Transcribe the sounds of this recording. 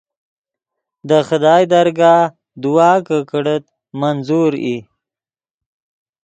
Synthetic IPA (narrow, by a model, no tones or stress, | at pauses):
d̪əxəd̪ɑːjd̪aɾɡɑː | d̪uwɑːkəkəɽət̪ | manzuɾi